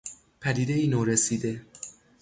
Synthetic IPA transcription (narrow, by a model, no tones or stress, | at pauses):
pʰæd̪iːd̪e̞iːnoːɾesiːd̪e̞